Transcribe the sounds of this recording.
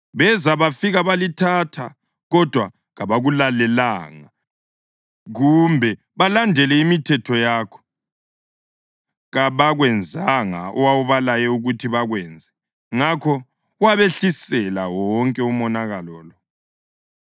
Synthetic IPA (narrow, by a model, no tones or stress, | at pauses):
βɛzaβafiɣaβalitʰatʰa̰ | ɣɔd̥ʱwa | ɣaβaɣulalɛlaːŋa | ɣumbʱɛ | βalandʱɛlɛimitʰɛtʰɔjakʰɔ̥ | ɣaβaɣwɛnd͡zʱaŋa̰ɔwawuβalajɛuɣutʰiβaɣwɛːnd͡zʱɛ | ŋakʰɔ | uwaβeɬisɛla̰wɔŋkʼɛumɔnaɣalɔːlɔ